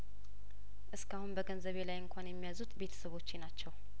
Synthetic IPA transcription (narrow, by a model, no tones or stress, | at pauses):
ʔɨskahunbəɡənzəβe̞lajɨŋkʷanjɛmːijazut̪be̞t̪ʰə̥səβo̞t͡ʃːenat͡ʃːɛw